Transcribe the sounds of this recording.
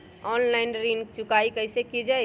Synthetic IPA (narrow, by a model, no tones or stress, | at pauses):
ɔnlaɪnɾint͡ʃʊkaikəɪsekid͡ʒaj